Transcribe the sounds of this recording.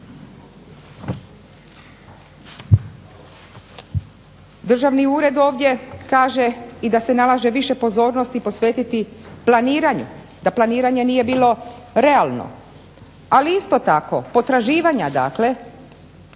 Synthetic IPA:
d̪r̩ʒaʋniuːɾe̞d̪o̞ːʋd̪ʲje̞kaːʒeid̪ase̞nalˠaʒe̞ʋiʃe̞po̞zo̞ːɾno̞st̪ipo̞sʋe̞ːt̪it̪iplaniːɾaɲṵ | d̪aplˠaniːɾaɲe̞niːje̞biːlˠo̞ | ɾe̞alˠno̰ | aliist̪o̞t̪ako̞̰po̞t̪ɾaʒiːʋaɲad̪a̰ːkle̞

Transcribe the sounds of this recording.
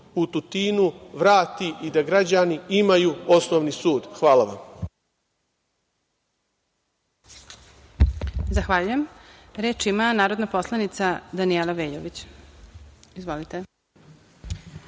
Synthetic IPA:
ut̪ut̪iːnuʋɾaːt̪iʔid̪aɡɾad͡ʑaniimajuːosnoːʋnisuːd̪xʋaːlaʋam | zaxʋaʎujemɾeːt͡ʃimanaːɾod̪napo̞slˠanit̪sad̪anielaʋeːʎoʋit͡ɕ | izʋolit̪e

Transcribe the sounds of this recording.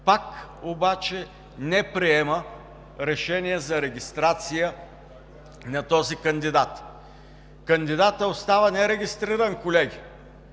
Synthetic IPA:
pakobat͡ʃɛ | nɛpɾiɛmə | ɾɛʃɛnijɛzɐɾɛɡʲist̪ɾat̪sijə | nɐt̪ɔzikɐnd̪id̪at̪ | kɐnd̪id̪at̪əost̪avənɛɾɛɡʲist̪ɾiɾɐnkolɛɡʲi

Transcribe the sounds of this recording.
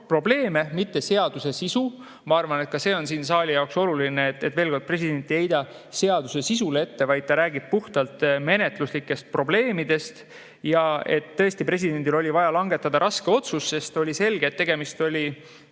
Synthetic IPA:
pro̞ble̞ːme̞mit̪ːe̞se̞ɑd̪use̞sisu | mɑɑrvɑne̞t̪̚kɑse̞ːo̞nsiːns̬ɑːlʲijɑokso̞lulinet̪ːet̪ːveːlko̞d̪̚pre̞s̬ʲid̪̥e̞nʲt̪ːˑie̞jd̪̥ɑ | se̞ɑd̪use̞sis̬ule̞t̪ːe̞vɑjd̪̚t̪ɑɾæːɡib̥̚puht̪ɑlt̪me̞ne̞t̪luslikːe̞st̪̚pro̞ble̞ːmid̪e̞st̪ | jɑe̞t̪ːɤ̞est̪ipre̞s̬ʲid̪̥e̞nd̪ilo̞lʲivɑjɑlɑŋɡ̥e̞t̪ːˑɑd̪̥ɑɾʔɑske̞o̞t̪susːe̞st̪o̞lʲise̞lɡ̥eːt̪ːe̞ɡ̥e̞mist̪o̞lʲi

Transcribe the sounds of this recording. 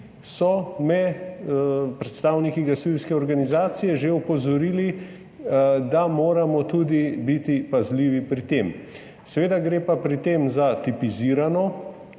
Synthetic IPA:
sɔmɛ | pɾɛt̪st̪aːwnikiɡasilskɛɔɾɡanizaːt̪sijɛʒeupɔzɔɾiːli | d̪amoːɾamɔt̪ud̪ibit̪ipazliːʋipɾit̪eːm | sɛʋeːd̪aɡɾeːpapɾit̪eːmzat̪ipiziɾanɔ

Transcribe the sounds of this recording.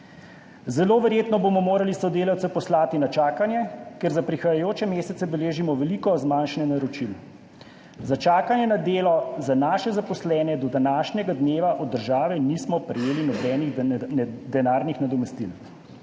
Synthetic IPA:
zɛloːʋɛɾjeːt̪nɔbomɔmoːɾalisɔd̪eːlawt̪sɛpɔslaːt̪inat͡ʃaːkanjɛkɛɾzapɾixajajoːt͡ʃɛmeːsɛt̪sɛbɛleːʒimɔʋɛliːkɔzmanʃnɛnaɾɔt͡ʃil | zat͡ʃaːkanjɛnad̪eːlɔzanaːʃɛzapɔslɛːnɛd̪ɔd̪anaːʃnjɛɡad̪neːʋaʔɔd̪ːəɾʒaːʋɛnismɔpɾɛjeːlinɔbɛːniɣ | d̪ɛnaːɾnixnad̪ɔmɛst̪ḭl

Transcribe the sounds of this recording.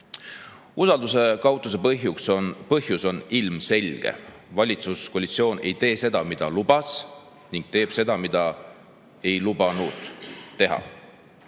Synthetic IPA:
usɑld̪use̞kɑwt̪ːˑus̬e̞pɤɦjuksonpɤhjuso̞nilmse̞lʲɡ̥e̞̰ | vɑlʲit̪suskoːlʲit̪sio̞ːne̞jt̪e̞ːse̞d̪̥ɑmid̪̥ɑlub̥ɑs | niŋɡ̥̚t̪e̞ːb̥se̞d̪̥ɑmid̪̥ɑ | e̞jlub̥ɑnud̪̥t̪ːe̞ɦɑ̰

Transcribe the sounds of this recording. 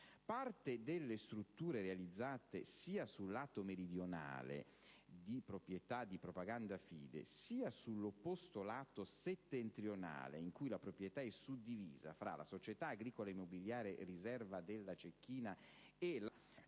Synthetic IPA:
part̪ed̪elːest̪ɾut̪ːuːɾeɾealid̪zːaːt̪esiːasulːaːt̪omeɾid̪jona̰ːlḛ | d̪ipɾopɾjet̪ad̪ːipɾopaɡand̪afḭːd̪ḛsiːasulːopːost̪olaːt̪oset̪ːent̪ɾjona̰ːlḛiŋkujlapɾopɾjet̪aɛsud̪ivḭːza̰fɾa̰la̰sot͡ʃet̪aːɡɾiːkolaimːobiljaːɾerizɛrvad̪elːat͡ʃekːiːna | ela

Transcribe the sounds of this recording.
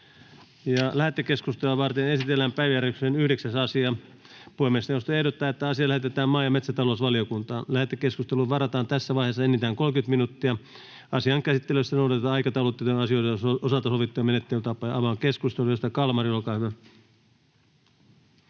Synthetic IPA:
jɑlæhet̪ːekeskust̪eluɑʋɑrt̪enesit̪elːæmpæiʋjæryksenyhɾeksæsɑsiɑ | puemːeˑsnewost̪oehɾot̪ːɑːet̪ːæɑsiɑlæhet̪et̪æːmmɑːjɑmet̪sæt̪ɑlosʋɑliokunt̪ɑːnlæhet̪ːekeskust̪eluʋɑrɑt̪ɑːnt̪æsːæʋɑiheːsːɑenːit̪æːŋkolkyt̪minut̪ːiɑ | ɑsiɑŋkæsit̪ːeløssɑnodɑt̪et̪ɑɑikɑt̪ɑulot̪ːet̪onɑsiojt̪ɑoosɑlt̪ɑsoʋit̪ːojɑmenet̪ːelyt̪ɑpːɑjɑʋɑŋkeskust̪elujost̪ɑkɑlmɑriolkɑːyʋæ

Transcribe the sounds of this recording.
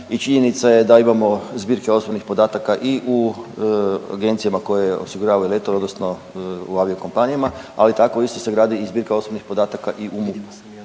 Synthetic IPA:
it͡ʃiɲenit̪sajed̪aimamo̞zbiːɾkeo̞sobnixpo̞d̪aːt̪akaʔiʔu | a̰ɡe̞nt̪sijamako̞jeo̰siɡuɾaːʋaulet̪ood̪nosno | uaʋiokompanijamaa̰lit̪ako̞ist̪o̞se̞ɡɾaːd̪iːzbiːɾkao̞sobnixpo̞d̪aːt̪akaʔiʔumupu

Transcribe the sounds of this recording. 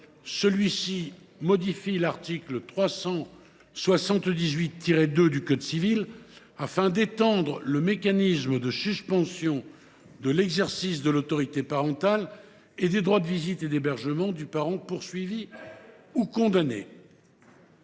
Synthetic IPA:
səlɥisi | mɔd̪ifilaʁt̪iklt̪χwasɑ̃ | swasɑ̃t̪d̪izɥit̪ːiʁed̪ød̪ykɔd̪sivil | afɛ̃d̪et̪ɑ̃d̪ʁələmekanisməd̪əsyspɑ̃sjɔ̃ | d̪əlɛɡzɛʁsis̬d̪əlot̪ɔʁit̪epaʁɑ̃t̪al | ed̪ed̪ʁwad̪əvizit̪ed̪ebɛʁʒəmɑ̃d̪ypaʁɑ̃puʁsɥivi | ukɔ̃d̪anḛ

